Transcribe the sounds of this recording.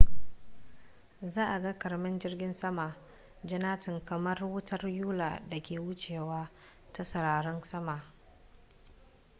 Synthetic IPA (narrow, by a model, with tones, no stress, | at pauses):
zaː˦ʔa˨ɡa˦kɐ˨rmɪ˦nd͡ʒɪ˦rɡʲɪ˦nsɐ˦ma˨ | d͡ʒɪ˦naː˦tɪ˨ŋkɐ˨mɐ˦rwʊ˦tʰɐ˦rjuː˦la̰˨da˨kʲeː˨wʊ˦t͡ʃeː˨waː˦ | ta˦sɐ˨ɾaː˨ɽɔ˦nsɐ˦ma˨ʔ